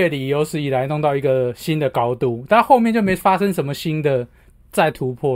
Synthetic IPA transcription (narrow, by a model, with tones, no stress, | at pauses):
e˥˩li˨˩jo˧˥ʊsɹ̩˨˦i˨˩la˨˧˦ɪno˥˧ŋt̪ɑ˥˩ʊi˧˥ɡə˨ɕi˦nd̪ə˨kɑ˥ʊt̪u˥˩t̪ʰa˥xo˥˧ʊmjnt͡ɕjo˥˩ʊmẽ˧˥ɪfa˦˥ʂə˦ŋʂə˧˥nmə˨ɕi˦˥nd̪ə˨ | t͡sa˥˨ɪt̪ʰu˨˧˦pʰɔ˥˨